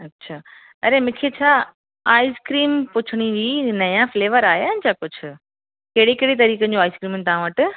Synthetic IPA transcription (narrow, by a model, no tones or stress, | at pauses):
ɐtːɕʰaː | ɐɾemɪ̃kʰet͡ɕʰaː | aːɪskɾiːmpʊt͡ɕʰɪɽ̃iʋinɐjãfleːʋəɾaːɦeaɪnɪd͡ʑakʊd͡ʑʰʊ̆ | keːɽekeːɽet̪̬ɐɾiːkə̃d͡ʑoaːɪskɾiːmnɪ̆t̪ɐʋ̤ãʋɐʈɪ̆